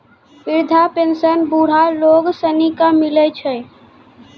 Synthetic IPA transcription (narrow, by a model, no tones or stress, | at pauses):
ɪɾd̪ʱapensənbuɽ̤aloːɡsənikamɪlɛt͡ʃʰɛ